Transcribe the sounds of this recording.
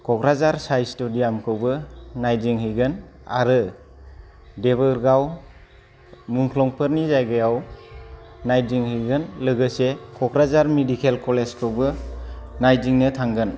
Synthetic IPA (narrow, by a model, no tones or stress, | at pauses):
kʰɔkʰɾazaɾsajstudijamkʰɯwbɯnajziŋhɯjɡɯn | a̰ɾɯ | deβɯɾɡaw | muŋkʰlɔŋpʰɯɾnizajɡɯjaw | najziŋhɯjɡɯnlɯɡɯsekʰɔkʰɾazaɾmedikʰelkɔleskʰɯwbɯnajziŋnɯtʰaŋɡɯn